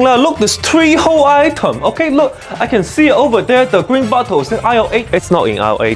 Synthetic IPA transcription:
ŋnalʊk̚dɪst̪ʰɹiholaɪtʰə̃mokʰelʊk̚ | aɪkɛ̃nsitovədɛdəɡɹĩnbɔtəsẽŋʔaɪɔʔet͡ʃɪtsnɔtɪ̰̃na̰ḛ

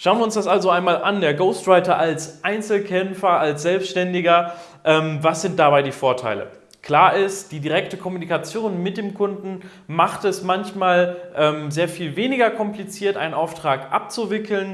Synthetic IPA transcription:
ʃaʊənviɪʊnsd̥asʔalzoʔaɪnmaːlʔandeːɐɡoʊstʁaɪtɐʔalsʔaɪnt͡sl̩kʰɛmfɐalsz̥ɛlpsʃtɛndɪɡɐ | ʔɛːmvasz̥ɪnt̚d̥abaɪdiːfoːɐtʰa̰ɪlə̰ | kl̥aːɐʔɪstd̥iːdiʁɛktəkʰɔmunikat͡sjoːnmɪt̚d̥eːmkʰʊndn̩ | maχtɛsmançmaːlʔɛːmzeːɐfiːlveːnɪɡɐkʰɔmplit͡siːɐtʔaɪnənʔaʊftʁ̥aːkʔa̰p̚t͡suvɪkʰl̩n

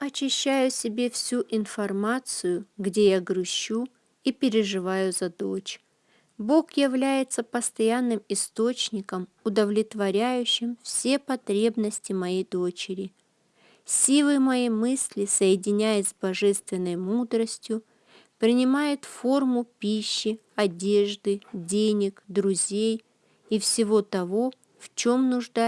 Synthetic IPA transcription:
ɐt͡ɕːɪɕːæjʊsʲɪbʲe̞fsʲuʔɪnfɐrmat̪sɨjʊɡdʲe̞jaɡɾʊɕːu | ipʲɪɾʲɪʐɨvajʊzɐd̪ot͡ɕ | bo̞kjɪvlʲæjɪt̪səpəst̪ɐjanːɨmɪst̪ot͡ɕnʲɪkəm | ʊd̪əvlʲɪt̪vɐɾʲæjʉɕːɪmfsʲe̞pɐt̪ɾʲe̞bnəsʲtʲɪmɐjejd̪o̞t͡ɕɪɾʲɪ | sʲilˠɨmɐjejmɨsʲlʲɪsəjɪdʲɪnʲæjɪzʲbɐʐɛst̪vʲɪnːəjmud̪ɾəsʲtʲjʊ | pɾʲɪnʲɪmajɪt̪fo̞rmʊpʲiɕːɪ | ɐdʲe̞ʐd̪ɨdʲenʲɪkd̪ɾʊzʲej | ifsʲɪvo̞t̪ɐvo̞ | ft͡ɕomnʊʐd̪a

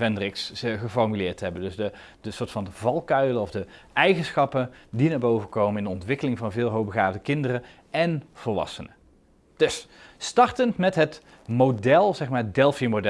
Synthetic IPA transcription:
vɛndrɪksχəfɔɹmylɪːɹtɦɛbəndɵsdə | d̥əsʊːɹtfɑndəvɑlˠkœɥləɔvdəɛjχənsχɑpəndinaːɹbowvəkowmənɪndəɔntʋɪkəlɪŋvɑnvɪːlˠɦowbəɣaːvdəkɪndərə | ɛnv̥əɹʋɑ̰sənə | d̥ɵsstɑɹtəntmɛtɦət | modɛlˠzɛχmaːdɛlˠfiəmodɛ

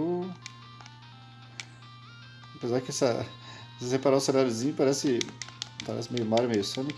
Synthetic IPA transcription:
apezaɾkɛsɐ | osesepaɾaʊsẽnaɾjʊzĩɲʊpaɾɛsɪ | paɾɛ̰sɪmejʊmaɾɐmejʊsɐ̃mɪ

